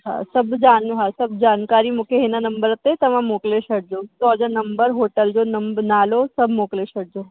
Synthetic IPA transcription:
ɦa̰səbd͡ʒanɦasəbd͡ʒankaɾimukeɦenanəmbəɾət̪et̪əmãmokleʃəɽ̚d͡ʒot̪ɔd͡ʒanəmbəɾɦoʈəld͡ʒonəmbənalosəbʱmokleʃəɽd͡ʒo

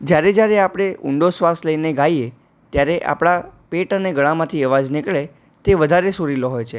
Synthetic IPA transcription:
d͡ʒjaɾed͡ʒjaɾeapɽ̃eʊ̰ɳɖosʋasləineɡaie | t̪jaɾeʔa̰pɽ̃apeʈəneɡəɭ̃amãt̪ʰiəʋad͡ʒnɪkɭe | t̪eʋəd̪ʱaɾesuɾiloɦojt͡ʃʰe

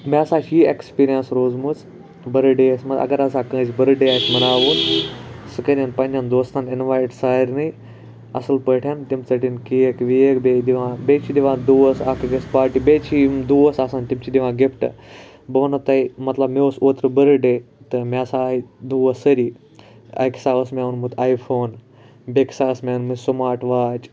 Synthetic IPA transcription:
mʲaːsaːt͡ʃiːekspiːɾijənsɾoːzmut͡s | bɐɾɨɖesmɐɐ̰ɡɐɾɐsaːkə̃ːt͡ʃʲbɐɾɨɖeaːt͡ʃʲmɐnaːʋoːt̪sɨkəɾʲanpɐnʲand̪oːst̪aːninʋaːjʈsaːɾnɨj | ɐ̰sɨlpəʈʰjant̪imt͡sɐʈinkijekʋijekbed̪iʋãbet͡ʃʰid̪iʋãːd̪uːəsaːkɨɡɐspaːɾʈibeːt͡ʃʰimd̪uəsaːsaːnt̪imt͡ʃʰid̪ʲiʋãːɡepʰʈɐ̰ | bɐʋnɐt̪ɐjmɐt̪lɐbmeosoːt̪ɾɨbəɾɨɖe | t̪ɨmʲaːsaːid̪uːʋəsəɾi | ɐ̰jksaːʋɐsmʲaʋunmɨt̪ʰaːjfʰoːn | bʲeksaːsmʲanmɨsumaːʈʋaːt͡ʃ

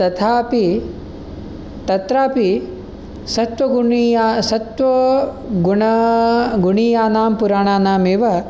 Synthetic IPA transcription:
t̪ɐt̪ʰaːpi | t̪ɐt̪ɾaːpi | sɐt̪ʋɐɡuisɐt̪ʋɐ | ɡuɳɐɡuɳiːjaːnaːmpuɾaːɳaːnaːmeʋɐ

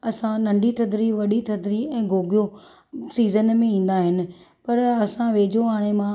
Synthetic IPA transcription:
ɐsãnɐ̃ɳɖit̪ʰɐd̪ɾiʋɐɗit̪ʰɐd̪ɾiɛ̃ːɡʱoːɡijo | siːzənmẽĩːn̆d̪aɦɪnɪ̆ | pɐɾɐsãʋeːd͡ʑoaːɽ̃emã

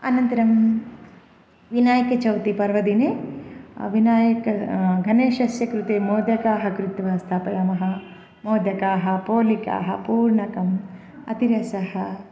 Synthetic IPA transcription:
ɐ̰nɐnt̪ɐɾɐm | ʋinaːjɐkɐt͡ʃɐwt̪ipɐɾʋɐd̪ineː | ʋinaːjɐkɐɡʱɐneːʃɐsjɐkɾut̪eːmoːd̪jɐkaːɦɐkɾut̪ʋaːst̪ʰaːpɐɾaːmɐɦɐ | moːd̪jɐkaːɦɐ̆poːlika̰ːɦɐpuːɾɳɐkɐm | ɐ̰t̪iɾɐsɐhɐ

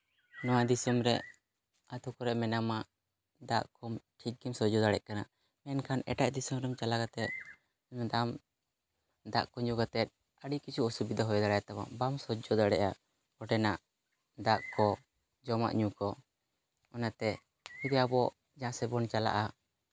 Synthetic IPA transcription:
nɔwad̪isəmɾɛ | at̪ʰukɔɾɛʔmɛnamaʔ | d̪aʔkɔmʈʰit̪̚ɡimsɔd͡ʒɔd̪aɽɛʔ̚kana | mɛnkʰanɛ̰ʈaʔd̪isəmɾɛmt͡ʃalaɡat̪ɛt̪̚ | mɛd̪am | d̪aʔkɔɲuɡat̪ɛt̪̚ˀ | əɽikit͡ʃʰuɔsubid̪aɦɔjɔd̪aɽajat̪aba̰ʔbamsɔd͡ʒɔd̪aɽɛʔa | kɔʈɛnaʔ | d̪aʔkɔ | d͡ʒɔma̰ʔɲukɔ | ɔnat̪ɛ | mid̪ɛabɔʔ | d͡ʒãsɛbɔnt͡ʃala̰ʔa

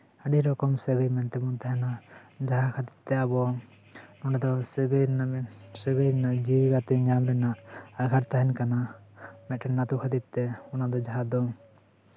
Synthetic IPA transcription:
aɖiɾɔkɔmsɛɡəjmɛnt̪ɛbɔnt̪aɦɛnad͡ʒaɦakʰat̪i̥t̪ːɛabɔ | nɔnad̪ɔseɡənsəɡəjɾnad͡ʒiɡat̪ɛɲamɾɛnaːɡʰʱaʈt̪aɦɛnkanamɛʈɛnat̪ukʰat̪it̪ːɛɔnad̪ɔd͡ʒaɦad̪ɔ

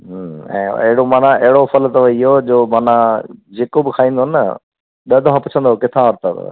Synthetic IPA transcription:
ɦɛ̰̃ːɐ̰ɦɽomaːnãɐɦɪɽopʰəlt̪ɐʋəiɦod͡ʑoːmaːnãd͡ʑeːkobɪkʰaːĩːn̆d̪oɦnːə̰ | ɗɐd̪ʱɦãpʊt͡ʃʰənd̪okɪt̪ʰãʋəɾt̪ə̰

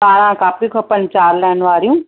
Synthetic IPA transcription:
aːɾ̃ãːkaːpɾikʰɔpənt͡ʃaːɾlɛːnʋaːɾjũː

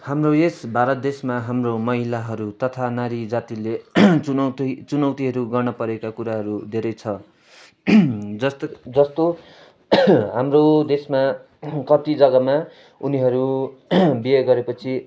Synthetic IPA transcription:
hamroesbʱaɾʌt̪̚d̪esmaɦamromʌɦilaɦʌɾut̪ʌt̪ʰanaɾid͡zat̪ilet͡sʌt̪t͡sunʌwt̪iɦʌɾuɡʌrnʌpʌɾekakuɾaɦʌɾud̪ʱeɾʌjt͡sʰʌ | d͡zʌsd͡zʌst̪o | ɦamrod̪esma | kʌt̪id͡zʌɡʌma | uniɦʌɾu | bijʌɡʌɾepʌt͡sʰi

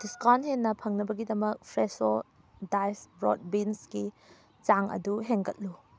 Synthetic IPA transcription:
d̥iskanɦenːɐpʰɐŋnɐbɐɡidɐmɐk̚pʰɾeso | dajsbɾo̰t̚binsɡi | t͡ʃaŋɐ̰duɦeŋɡɐt̚lu

